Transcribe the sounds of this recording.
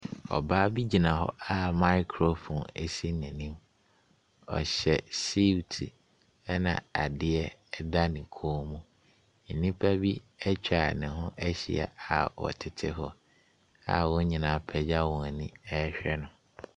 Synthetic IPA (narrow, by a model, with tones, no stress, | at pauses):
ɔ̰˨baː˦bi˦d͡ʑi˨nã˨ɦɔ̰˦a˦ma˦ɪ˦kʰɾo˨fo˨ne˨si˦nɛ̃˨nĩ˦m | ɔ̰˨ɕɛ˨si˦wtʰi˨ | ɛ˦nã̰˨a˨dɪ˦ɛ˦ɛ˦da˦nɪ̃˨kʰoː˦mũ˦ | n̩˨nĩ˦pʰa˦bi˦ | ɛ˦t͡ɕᶣʰa˨nɪ̃˨ɦʊ̃˦ʔɛ˦ɕḭ˨a̰˨a˨wɔ̰˨tʰɪ˨tʰɪ˦ɦɔ˦ | a̰˦wɔ̃˦ɲĩ˨nã˨˦˨pʰɛ˨d͡ʑa˦wɔ̃˨nĩ˦ɛ˦ɕᶣɛ˦nʊ̃˦